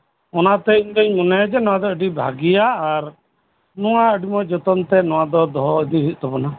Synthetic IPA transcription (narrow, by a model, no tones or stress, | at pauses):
ɔnat̪ɛiɲd̪ɔɲmunɛd͡ʒɛnɔw̃ad̪ɔəɖibʱa̰ɡijaːɾ | nɔwaəɖimɔd͡ʒɔt̪ɔnt̪ɛnɔwad̪ɔd̪ɔɦd̪iɦiʔ̪̚t̪ɔbɔna